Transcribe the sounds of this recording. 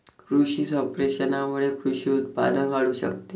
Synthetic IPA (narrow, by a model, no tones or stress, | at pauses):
kɾuɕiːsɔpɾeɕənamuɽekɾuɕiːut̪̚pa̰d̪ənkaɽuːɕə̰kt̪e